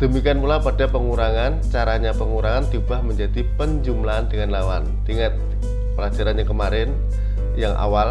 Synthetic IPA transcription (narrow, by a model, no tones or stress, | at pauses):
d̥əmikianpulapadapəŋuɾaŋant͡ʃaɾaɲapəŋuɾaŋant̪ubahməɲd͡ʒadipəɲd͡ʒumlaandəŋanlawant̪iŋat̪̚ | pəlad͡ʒaɾanɲakəmaɾɪn | jaŋʔa̰wal